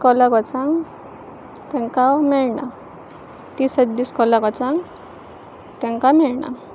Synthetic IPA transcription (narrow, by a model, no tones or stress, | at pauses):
kɔlakɔt͡sãŋɡ | t̪ɛ̃ŋkamɛɭɳa | t̪isət̪b̪iskɔlakɔt͡sãŋɡ | t̪ɛ̃ŋkamɛɭɳa̰